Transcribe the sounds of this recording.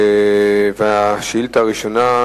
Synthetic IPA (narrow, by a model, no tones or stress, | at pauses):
veaʃilt̪aʁiʃona